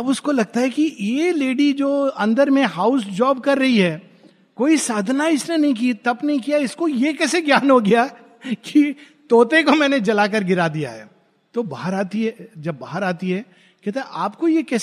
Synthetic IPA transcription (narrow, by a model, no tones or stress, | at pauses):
ɐbʊskolɐɡ̚t̪aɦɛkijeleːɖid͡ʒoːɐ̃nd̪əɾmẽɦaːʊsd͡ʒaːbkɐɾːɐɦiɦɛː | koːisaːd̪ʱnaɪsnenɐɦĩk̬iːt̪ɐpnɐɦĩkijaɪskojekɛːseɡjaːnɦoɡɐja | ki | t̪oːt̪ekomɛ̃ːned͡ʒɐlaːk̬ɐɾɡɪɾad̪ija̰ɦɛː | t̪obaːɦəɾaːt̪iɦɛd͡ʒɐbːaːɦəɾaːt̪iɦɛː | kɛɦt̪aɛʔaːpkojekɛː